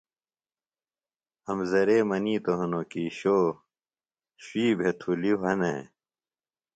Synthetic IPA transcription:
ɐmzɐɾeːmɐniːt̪oɦɐnokiːɕoː | ɕiːbʱet̪ʰuliwɐnḛ

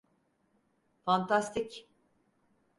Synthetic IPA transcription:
fant̪ʰast̪ic

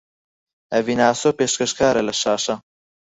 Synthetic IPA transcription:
ɐvinaːsoːpeːʃkɐʃkʰaːɾɐlɐʃaːʃɐ

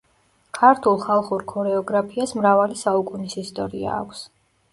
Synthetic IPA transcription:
kʰaɾt̪ʰulˠχalˠχuɾkʰɔɾɛɔɡɾapʰiasmɾavalisaukʼunisist̪ʼɔɾḭa̰ːkʷʰs

